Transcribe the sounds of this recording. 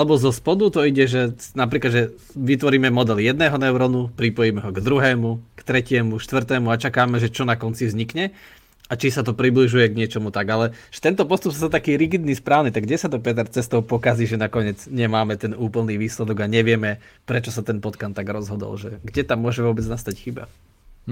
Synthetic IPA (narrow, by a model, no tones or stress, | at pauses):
alɛbɔzɔspɔd̪ut̪ɔiɟɛʒɛnap̬ɾiːklad̪ʒɛ | ʋit̪ʋɔɾiːmɛmɔd̪ɛlijɛd̪nɛːɦɔnɛʊɾɔnupɾipɔjimɛɦɔɡd̪ɾuɦɛːmukt̪ɾɛcɪɛmuʃt̪ʋr̩t̪ɛːmuat͡ʃakaːmɛʒɛt͡ʃɔnakɔnt͡sivzɲikɲɛ | at͡ʃisat̪̬ɔpɾibliʒujɛɡɲɪɛt͡ʃɔmut̪aɡalɛʒɛ̥t̪ɛnt̪ɔpɔst̪upsazat̪akiːɾiɡid̪nispɾaːʋnit̪aɡɟɛsat̪ɔpɛt̪ɛɾt͡sɛst̪ɔʊpɔkaziːʒɛnakɔɲɪɛd͡zɲɛmaːmɛt̪ɛnuːpl̩ˠniːʋiːslɛd̪ɔɡaɲɛʋɪɛmɛ | pɾɛt͡ʃɔsat̪ɛnpɔt̪kant̪ːaɡɾɔzɦɔd̪ɔ̰lʒɛɡɟɛt̪amːʊɔʒɛʋɔbɛd͡znast̪acxiːba̰